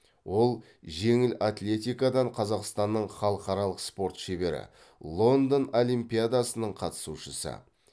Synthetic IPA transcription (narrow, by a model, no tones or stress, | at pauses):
wo̞lˠ | ʒe̞ŋɪlat̪lʲe̞t̪ʲijkad̪ɑɴqʰɑzɑqst̪ɑnːəɴχɑlˠəqɑɾɑlˠəqspo̞ɾt̪ʃebe̞ɾɪ̰ | lˠo̞nd̪ono̞lijmpʲijad̪ɑsənəɴqʰɑt̪ə̥suʃəsə̰